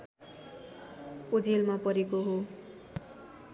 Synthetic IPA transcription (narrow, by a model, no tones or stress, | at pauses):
od͡zelmapʌɾekoɦo